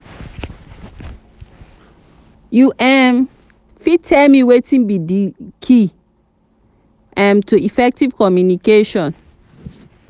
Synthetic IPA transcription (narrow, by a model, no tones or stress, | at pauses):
juʔɛm | fitʰɛlmiwetĩnbidikʰi | ʔãmtuifɛk̚tivkɔmjunikeʃɔ̃n